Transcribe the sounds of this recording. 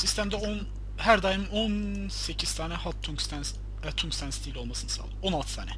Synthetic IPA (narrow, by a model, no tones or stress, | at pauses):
sist̪ʰæmd̪ɛon | hæɾd̪ajɯmɯon | se̞cʰiz̥t̪ʰaːnɛhat̪ʰːuŋkst̪ʰæn | ɛt̪ʰːuŋkst̪ʰænst̪ʰilʲo̞lmasɯnɯsa̰lˠonalˠt̪ʰɯ̥t̪ʰaːnɛ